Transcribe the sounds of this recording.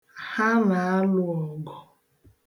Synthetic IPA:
ha˦na˨a˦lʊ˨ɔ˨ɡɔ˨

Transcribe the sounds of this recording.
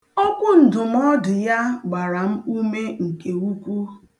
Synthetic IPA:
ɔ˦kʷʊ˦n̩˨dʊ˨m̩˦ɔ˦dɪ˨ja˦ɡ͡ba˨ɾa˨m̩˦u˦me˦ŋ̩˨ke˨wu˦kʷu˦

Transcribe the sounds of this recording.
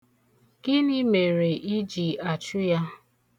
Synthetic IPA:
ɡɪ˦ni˦me˨ɾe˨i˦d͡ʒi˨a˨t͡ʃʊ˦ja˦

